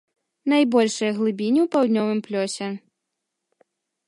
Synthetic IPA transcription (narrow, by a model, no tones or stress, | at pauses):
najbɔlʲʂɐjɐɣlˠɨbʲinʲiwpawd̪ʲnʲɔvɨmplʲɔsʲɛ